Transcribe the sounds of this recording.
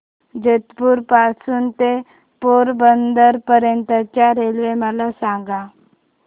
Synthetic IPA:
d͡ʑet̪puːɾpasuːnt̪e | poɾbənd̪əɾpəɾjənt̪at͡ɕjaɾelʋeməlasãŋɡa

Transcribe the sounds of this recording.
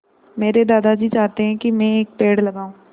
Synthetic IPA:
meːɾed̪aːd̪ad͡ʒiːt͡ʃaːɦt̪eɦɛ̃kimɛ̃eːk̚peːɽlɐɡaːũː

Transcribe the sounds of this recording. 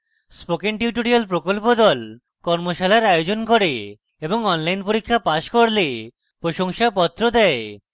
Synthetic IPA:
spokenʈiʈoɾialpɾokolpod̪ɔl | kɔɾmoʃalaɾajod͡ʑonkoɾe | eboŋɔnlajnpoɾikʰːapaʃkoɾle | pɾoʃoŋʃapɔt̪ːɾod̪ɛe

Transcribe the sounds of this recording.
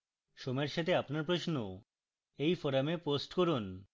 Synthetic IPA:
ʃomeɾʃat̪ʰeapnaɾpɾoʃno | ejfoɾameposʈkoɾun

